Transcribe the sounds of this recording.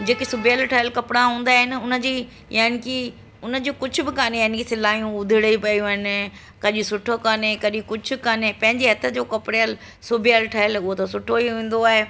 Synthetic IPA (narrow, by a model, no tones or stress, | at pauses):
d͡ʑeːkisʊbʱijəlʈʰaːɪlkɐpɪɽaɦũːnd̪aːɦɪnɪ̆ʊnə̆d͡ʑiː | jaːɪnɪki | ʊnəd͡ʑoːkʊd͡ʑʱʊbɪkaːnejankisɪlaːjũʊd̪ʱɪɽəipɐjũɦɪnɪ̆ | kɐʄʊsʊʈʰokaːnekɐɗikʊd͡ʑʱʰʊ̆kaːnepɐ̃ɦɪ̃ɲd͡ʑiɦɐt̪ʰəd͡ʑoːkɐpɽeəl | sʊbʱɪjəlʈʰaːɪlʊɦot̪ʰosʊʈʰoiɦẽːn̆d̪oaːɦe